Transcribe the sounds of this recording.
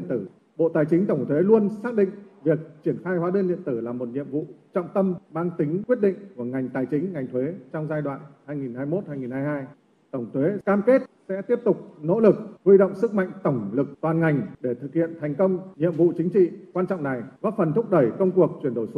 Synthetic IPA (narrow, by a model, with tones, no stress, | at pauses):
ə˨nt̪ɨ˧˩ | ɓo̰˧˨t̪aː˨˩jt͡ɕï˨˦ŋt̪ə˧˩wŋ͡mt̪ʰwe˨˦lu˧ənsaː˦˥k̚ɗḭ̈˧˨ŋ̟vi˨˩ək̚t͡ɕi˧˩ənxaː˧jhwaː˨˦ɗə˧nlɗḭ˧˨ənt̪ɨ˧˩laː˨˩mo˨˩t̚ɲḭ˧˨əmvṵ˧˨t͡ɕɔ̰˧˨wŋ͡mt̪ə˧mmaː˧ŋt̪ï˨˦ŋ̟kwi˦˥ət̚ɗḭ̈˧˨ŋ̟ku˧˩əŋa˨˩jŋ̟t̪aː˨˩jt͡ɕï˨˦ŋ̟ŋa˨˩jŋ̟t̪ʰwe˨˦t͡ɕɔ˧wŋ͡mzaː˧jɗwa̰ː˧˨nhaː˧jŋi˨˩nhaː˧jmo˦˥t̚haː˧jŋi˨˩nhaː˧jɦaː˧j | t̪ə˧˩wŋ͡mt̪ʰwe˨˦kaː˧mke˦˥t̚sɛ̰˧˥t̪i˦˥əp̚t̪ʊ˨˩k͡p̚no̰˧˥lɨ˨˩k̚hwi˧ɗə̰˧˨wŋ͡msɨ˦˥k̚ma̰˧˨jŋ̟t̪ə˧˩wŋ͡mlɨ˨˩k̚t̪waː˨˩nŋa˨˩jŋ̟ɗe˧˩t̪ʰɨ˨˩k̚hḭ˧˨ənt̪ʰa˨˩jŋ̟kə˧wŋ͡mɲḭ˧˨əmvṵ˧˨t͡ɕï˨˦ŋ̟t͡ɕḭ˧˨kwaː˧nt͡ɕɔ̰˧˨wŋ͡mna˨˩jvaː˦˥fə˨˩nt̪ʰʊ˦˥k͡p̚ɗə˧˩jkə˧wŋ͡mku˨˩ək̚t͡ɕwi˧˩ənɗo˧˩js